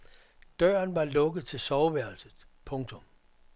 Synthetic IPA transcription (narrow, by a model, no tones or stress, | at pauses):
d̥ɶɐnʋɑ̈lɔ̽ɡ̥ð̩ˠt͡sʰe̝lsɒʊʋæɐ̰l̩sð̩ˠ | pʰɔ̽ŋt͡sʰɔ̽m